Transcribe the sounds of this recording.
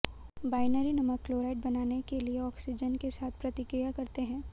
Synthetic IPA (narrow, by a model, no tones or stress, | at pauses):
baːɪnəɾinɐməkkloːɾaːɪʈ̚bɐnaːnekelieɔːksɪd͡ʒənkesaːt̪ʰpɾɐt̪ɪkɾijakɐɾt̪eɦɛ̃ː